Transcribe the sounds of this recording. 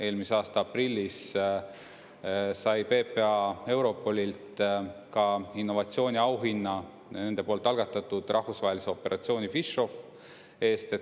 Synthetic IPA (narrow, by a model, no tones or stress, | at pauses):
e̞ːlmiseɑːst̪ɑɑprilʲːis | sɑjpe̞ːpe̞ɑe̞wɾo̞pːo̞lʲilt̪kɑinːo̞vɑt̪sio̞ːnʲiɑwɦinːɑ | ne̞nd̪̥e̞po̞ːlt̪ːˑɑlɡ̥ɑt̪ːˑɑt̪ːˑud̪̥rʔɑhvusvɑːɦe̞lise̞o̞pːe̞ɾʔɑ̰t̪sio̞ːnʲifiʃo̞f | e̞ːst̪e̞